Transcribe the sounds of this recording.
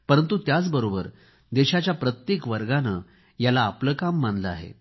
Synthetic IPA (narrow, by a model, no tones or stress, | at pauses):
pəɾənt̪ut̪jat͡sbəɾobəɾ | d̪eɕat͡ɕjapɾət̪jekʋəɾɡanə | jalaːpləːkamːanləa̰ɦḛ